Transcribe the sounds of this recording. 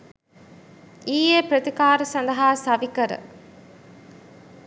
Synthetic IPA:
iːjeːpɾɐt̪ikaːɾɐsɐnd̪ɐɦaːsɐʋikɐɾə̰

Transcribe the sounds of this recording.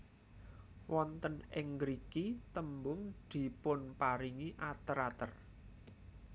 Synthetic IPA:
wɔnt̪ənɪŋɡɾikit̪əmbʊŋd̪̥i̤pʊnpaɾiŋiʔat̪əɾat̪ər

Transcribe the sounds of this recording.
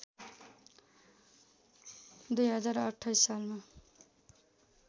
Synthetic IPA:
d̪ujɦʌd͡zaɾʌʈʰːʌjsalma

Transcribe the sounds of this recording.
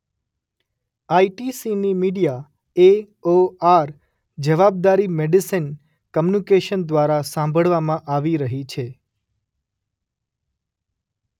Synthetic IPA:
aiʈisinimiɽija | e | oaɾ | d͡ʒəʋab̚d̪aɾimeɖisin | kəmjunikeʃənd̪ʋaɾasãmbʱəɭʋamãʔaʋiɾəɦit͡ʃʰe

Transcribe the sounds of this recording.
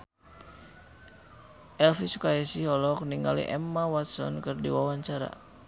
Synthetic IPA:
ʔɛlfisukajɛsihɔlɔk̚niŋa̰lḭʔɛmːawat̪sɔ̰nkɨrdiwawaɲt͡ʃaɾa̰

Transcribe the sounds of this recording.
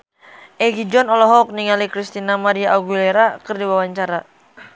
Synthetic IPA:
ʔɛɡid͡ʒɔnɔlɔɦɔk̚niŋalikɾist̪inamaɾiaʔaɡilɛɾakɨrdiwawaɲt͡ʃaɾa

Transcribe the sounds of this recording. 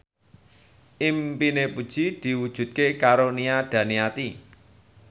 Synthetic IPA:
ʔimpinepud̥ʒ̥id̪̥i̤wud̥ʒ̥ṳt̪̚kekaɾoniad̪̥ä̤niat̪i

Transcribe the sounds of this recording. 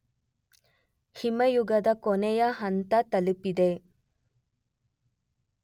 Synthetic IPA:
himɐjuɡɐd̪ɐkonɛjɐɦɐnt̪ɐt̪ɐlipid̪e

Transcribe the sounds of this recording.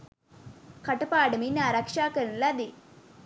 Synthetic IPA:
kɐʈɐpaːɽɐminaːɾakʂaːkɐɾnlɐd̪i

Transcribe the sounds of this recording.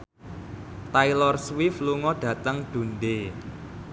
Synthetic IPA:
t̪ailɔrswifluŋɔɖ̥ä̤t̪əŋɖ̪̥ṳnɖe

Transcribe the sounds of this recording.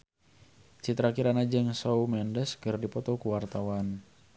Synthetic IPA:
t͡ʃit̪ɾakiɾanad͡ʒəŋsɔumɛndəskɨrdipɔt̪ɔkuwart̪awan

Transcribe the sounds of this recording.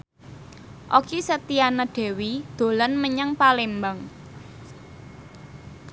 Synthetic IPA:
ʔokisət̪ianaɖ̪̥e̤wid̪̥o̤lɔnməɲaŋpalembaŋ

